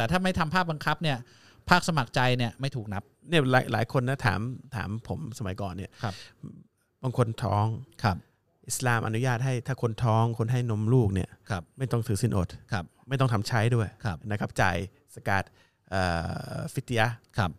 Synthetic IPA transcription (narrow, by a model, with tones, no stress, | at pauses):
t̪ɛː˨˩t̪ʰaː˥˩ma˥˩jt̪ʰa˧mpʰaː˥˩k̚ba˧ŋkʰa˦˥p̚ni˥˩ɐ | pʰaː˥˩k̚sa˧ma˨˩k̚t͡ɕa˧jni˥˩ɐma˥˩jt̪ʰuː˨˩k̚na˦˥p̚ni˥˩ɐlaː˨˦jlaː˩˦jkʰo˧nːa˦˥t̪ʰa̰ː˩˦mt̪ʰa̰ː˩˦mpʰo˩˦msa˧ma˨˩˦jkɔː˨˩nːi˥˩˧ | baː˧ŋkʰo˧nt̪ʰɔ̰ː˦˥ŋkʰa˧˩ | ʔi˨˩slaː˧mʔa̰˧nu˦jaː˥˩t̪̚ɦa˥˩jt̪ʰaː˥˩kʰo˧nt̪ʰɔː˦˥ŋkʰo˧nɦa˥˩jno˦˥mluː˥˩k̚ni˥˩ɐkʰp̚ma˥˩jt̪ɔ˥˩ŋt̪ʰɯː˩˦si˥˩nʔo̰˨˩t̪̚kʰa˦˩p̚ma˥˩jt̪ɔ˥˩ŋt̪ʰa˩˧˦mt͡ɕʰa˦˥jdu˥˩əjkʰna˦kʰa˦˥p̚t͡ɕa̰ː˨˩j | sa˧ka̰ː˨˩t̪̚ | ʔaː˨˩fi˦˥t̪ʰːi˧ja˦˥kʰa˦˧˩p̚